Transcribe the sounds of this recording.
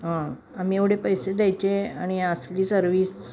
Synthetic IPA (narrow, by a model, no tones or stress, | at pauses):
ɦã | am̤iːeʋɽ̤epəjsed̪jajt͡ɕeaɽ̃iəsliːsəɾʋiːs